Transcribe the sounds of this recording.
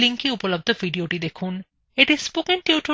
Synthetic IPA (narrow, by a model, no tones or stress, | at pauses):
liŋkiupolob̚d̪ʱovʱiɖioʈid̪ekʰun | eʈispokenʈiuʈo